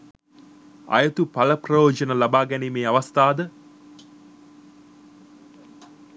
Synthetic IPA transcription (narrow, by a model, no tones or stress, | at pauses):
ɐ̰jɐt̪upɐlɐprɐjoːd͡ʒɐnəlabaːɡɛnimeːaʋɐst̪aːd̪ə